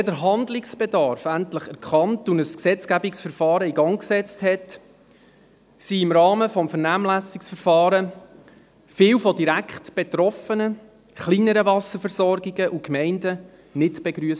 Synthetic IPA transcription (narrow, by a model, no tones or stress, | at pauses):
ɛdəɾɦɑndlɪksb̥edɑɾfæntləχɛɾkχɑntunəsksɛt͡skæbiksfəɾfɑːɾəiɡɑŋksɛt͡sthɛt | siɪmɾɑːməfɔmfəɾnæːmlæsɪksfəɾfɑːɾə | fɪːwfɔdiɾækχtb̥etɾɔfənə | χliːnəɾəvɑsəɾfəɾsɔrɡiɡəʔukmɛɪndə | nɪtb̥eɡɾyəs